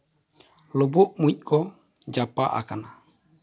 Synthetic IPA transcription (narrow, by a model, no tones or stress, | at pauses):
lɔbɔʔmuit̚kɔ | d͡ʒapaʔa̰kana